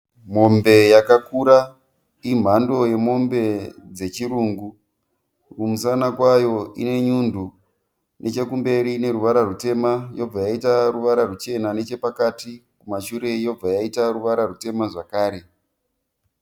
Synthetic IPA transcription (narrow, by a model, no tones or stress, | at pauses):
mo̞mbe̞jakakuɾa | im̤ando̞je̞mo̞mbe̞d͡ze̞t͡ʃiruːŋɡu | rumusanakwajo̞ḭne̞ɲundʱu | nʔe̞t͡ʃe̞kumbe̞ɾine̞ɾuʋaɾarute̞majo̞b͡vajaitaruʋaɾarut͡ʃe̞nane̞t͡ʃe̞pakatikumaʃuɾe̞jo̞b͡vajaitaruʋaɾarute̞maʐakaːɾe̞